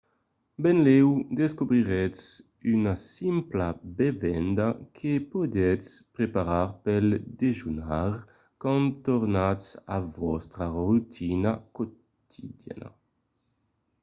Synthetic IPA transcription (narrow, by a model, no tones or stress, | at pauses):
bɛnlɛwd̪eskubɾiʁɛs | ynasimplabevɛnd̪akʰepud̪ɛspɾepaɾaɾpɛld̪eʒunaɾ | kãnt̪oɾnasavɔst̪ɾarut̪ʰinako | t̪ʰid̪ja̰na̰